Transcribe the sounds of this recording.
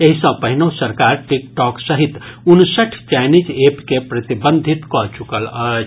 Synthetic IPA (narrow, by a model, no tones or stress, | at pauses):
eɦisə̃pəɦinosəɾkaɾʈikʈɔksəɦit̪unsəʈʰt͡ʃajnid͡ʒepkepɾət̪ibənd̪ʱit̪kɔt͡ʃukələ